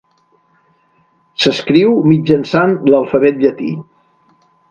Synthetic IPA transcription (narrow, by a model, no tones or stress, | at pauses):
səskɾiwmid͡ʒənsanləlˠfəβɛt̪̚ʎət̪ḭ